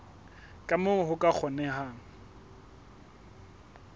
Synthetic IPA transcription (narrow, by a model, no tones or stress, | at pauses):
kʼamʊɦʊkʼak͡xʰɔnɛɦaːŋ̩